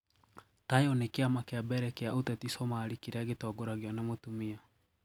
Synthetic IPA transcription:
tajɔnekeamakeabɛɾɛkeaʔotɛtisɔmaɾikeɾeaɡetɔːɡoɾaɣeɔnemotumia

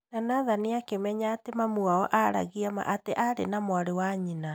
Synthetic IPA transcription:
nanaðaniakemɛɲaːtemamuaɔʔaɾa̰ɣiama̰ʔateʔaɾḛnamwaɾewaɲina

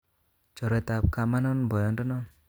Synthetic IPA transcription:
t͡ʃɔɾet̪ap̚kamanɔnbɔjɔnʈɔnɔ

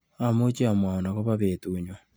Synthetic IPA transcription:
amot͡ʃiamwaonaɣoβaβeːtuɲwa

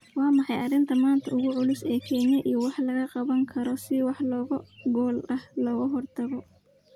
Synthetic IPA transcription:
wɑːmɑħɑjɐrɪnt̪ʰɐmaːnt̪ʰɐʊɣʊʕʊlʊsɛːkʰɛːnɐʔijɔwɑħlɐɣɐqɑβɐŋkʰɐɾɔsɪwɑħlɔːɣɐɡɔːlɐhlɔːɣʊɦɔrt̪ʰɐβɔ

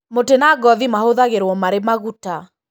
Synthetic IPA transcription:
motenaɡɔðimahoðaɣeɾwɔmaɾemaɣuta

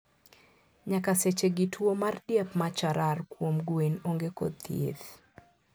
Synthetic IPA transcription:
ɲakaset͡ʃeɡitʰwomardjapmat͡ʃaɾarkwomɡwenoŋɡekɔ̰t̪jḛð

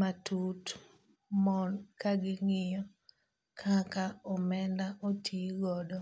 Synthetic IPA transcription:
matʰut | mɔnkaɡɪŋɪjɔ | kʰakaɔmɛndaʔotʰiɡɔdɔ

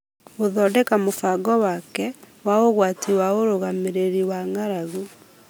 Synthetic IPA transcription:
oðɔːdɛkamofaɡɔwakɛ | waoɣwatiwaoɾoɣameɾeɾiwaŋaɾaɣu

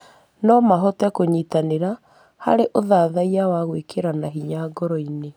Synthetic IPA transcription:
nɔmaɦɔtɛkoɲiːtaneɾa | ha̰ɾeʔoðaðaiawaɣwekʰeɾanaɦiɲaɡɔɾɔine

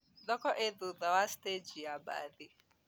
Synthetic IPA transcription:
dɔkɔʔeðuðawasted͡ʒiaba̰ðɪ

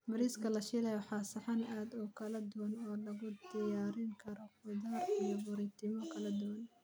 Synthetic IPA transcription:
mɐɾiːskʰɐlɐʃɪlɛjħɑːsɐħɑnaːd̪ɔːkʰɐlɐd̪ʊwɐnɔːlɐɣʊd̪ɪjaːɾɪŋkʰɐɾɔqʊd̪aːrijɔbʊɾɪt̪ʰɪmɔkʰɐlɐd̪ʊwɐn

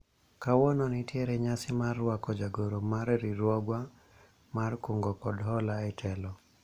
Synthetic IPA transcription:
kawɔnonitjeɾɛɲasɪmarːwakɔd͡ʒaɡoɾomaɾɾiɾwɔɡwa | markoŋɡɔkɔdɦɔlaɛtʰɛlɔ

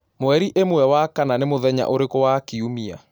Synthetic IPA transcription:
moɛɾiʔemoɛwakananemoðɛɲa̰ʔoɾekowakiumia̰

